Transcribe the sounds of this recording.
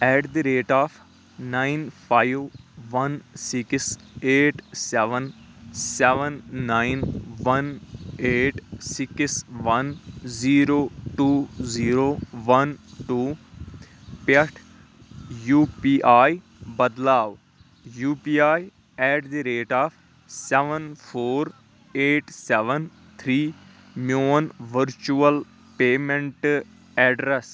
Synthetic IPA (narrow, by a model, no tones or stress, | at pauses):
ɛːɖd̪iɾeːʈaːpʰ | naːɪnpʰaːɪʋʋɐnsɪks | eːʈsɛʋən | sɛʋənːaːɪnʋɐneːʈsɪksʋɐnziːɾoːʈuːziːɾoːʋɐnʈuː | pɐʈʰ | juːpiːʔaːj | bɐd̪laːʋ | juːpiːaːj | ɛːʈd̪iɾeːʈaːpʰ | sɛʋənpʰoːɾ | eːʈsɛʋən | t̪ʰɾiː | moːnʋəɾt͡ʃuəl | peːmẽɳʈ | ɛːɖɾes